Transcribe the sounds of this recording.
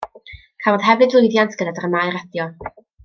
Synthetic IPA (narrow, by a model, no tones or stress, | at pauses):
kʰavɔð̥ɦɛvɨdʊɨðjantʰɡədadaɾəmajɾɛdjɔ